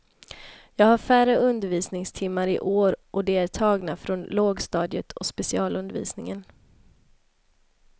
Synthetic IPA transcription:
jɑːɡhaɾfæɾəɵnd̪əɾviːsnɪŋst̪ʰɪmːaɾɪ̰ʔoːɾʔɔd̪ɛæʈʰɑːɡnafɾɔnloːɡst̪ɑːd̪jət̪ʰɔspɛsɪɑːlɵnd̪əɾvḭːsnɪŋən

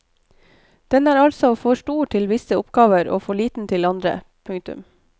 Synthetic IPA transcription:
d̪̥ɛnæːɾɑlsɔfɔʃʈuːʈʰɪlʋɪsəʊpɡɑːʋəɾo̰ːfoːɭiːt̪n̩t̪ʰɪlɑnd̪ɾə̰ | pʰʉŋt̪ʉ̰m

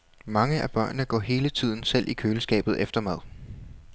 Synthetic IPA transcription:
mɑ̈ŋəʔæb̥ɶɐ̰nːəɡ̥ɒ̰ːɦe̝ːlət͡sʰið̰ˠn̩sel̰ʔikʰøːləsɡ̥ɛ̰ːb̥ð̞̩ˠefd̥ɐmæð̞ˠ

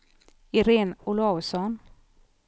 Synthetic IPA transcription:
ɪɾeːnʊlasɔn

